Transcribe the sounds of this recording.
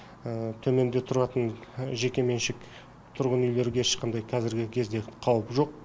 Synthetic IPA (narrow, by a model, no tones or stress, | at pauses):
ət̪ʰɵme̞nd̪e̞t̪ʰʊɾɑt̪ənʒe̞kʲe̞me̞nʃɪk | t̪ʰʊɾʁənʏjle̞ɾɪɡʲeɪʃqɑnd̪ɑjqʰɑzɪɾɡʲɪkʲʰe̞zd̪e̞qʰɑwəpʒo̞q̚